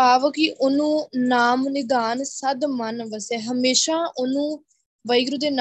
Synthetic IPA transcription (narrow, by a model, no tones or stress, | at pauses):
aːʋkiʔʊnũːnaːmnɪd̪aːnsəd̪mənʋəsɛːɦəmeːʃaːʔʊnũː | ʋəjɡɾud̪eːn